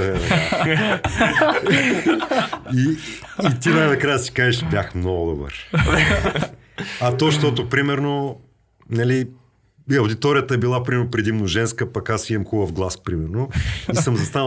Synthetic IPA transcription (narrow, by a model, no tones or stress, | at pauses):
ɛ | iː | t̪inajnɐkɾajəsi̥kaʒɛʃbjaxmnɔɡʊd̪obə̰ɾ | ɐt̪ɔʃt̪ɔt̪opɾimɛɾno | nɐli | ɐwd̪it̪ɔɾijət̪əɛbilˠapɾimɛɾnopɾɛd̪imnoʒɛnskəpɐkasimɐmxubəfɡlˠaspɾimɛɾnoisəmzɐst̪anə